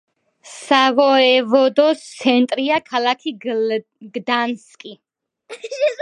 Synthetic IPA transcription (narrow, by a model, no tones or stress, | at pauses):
savɔɛvɔd̪ɔst̪sʰɛnt̪ʼɾiakʰalakʰi | ɡd̪anskʼi